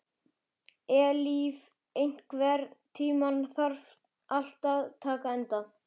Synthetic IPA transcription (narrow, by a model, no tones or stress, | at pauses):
ɛːliv | ejŋ̥kvɛːɾt̪ʰiːmanθaɾ̥ft̪ | ʔal̥t̪aðt̪ʰaːkaɛnt̪a